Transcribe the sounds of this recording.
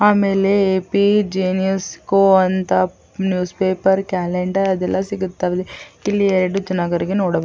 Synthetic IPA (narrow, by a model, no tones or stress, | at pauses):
aːmeːleeːpid͡ʒeːnijɐskoːɐnt̪ɐ | njuːspeːpɐɾkaːleɳɖɐɾɐd̪ɛlːɐsiɡut̪ːaʋd̪eilːieɾeɖud͡ʒɐnaːɡɐɾiɡenoːɽɐb